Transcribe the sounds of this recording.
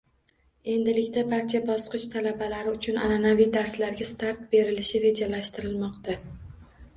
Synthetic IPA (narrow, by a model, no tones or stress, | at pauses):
e̞nd̪ɪlɪkʲt̪abaɾt͡ʃʰabɒsqɨʃt̪ʰalabalaɾɪʊt͡ʃʰʊnananavijd̪aɾslaɾɡʲast̪aɾt̪̚be̞ɾɪlɪʃɪɾe̞d͡ʒalaʃt̪ɪɾɪlmɒqt̪a